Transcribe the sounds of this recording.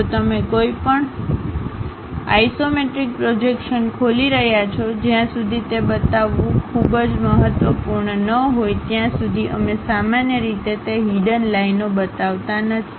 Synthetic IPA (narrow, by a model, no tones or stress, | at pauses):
t̪əmekoipəɳ | a̰isomeʈɾik̚pɾod͡ʒekʃənkʰoliɾəɦjat͡ʃʰod͡ʒjãsud̪ʱit̪ebət̪aʋːũkʰubd͡ʒməɦət̪ʋəpuɾɳənəɦojt̪jãsud̪ʱiʔəmesamanjəɾit̪et̪eɦiɖənlainobət̪aʋt̪anət̪ʰi̥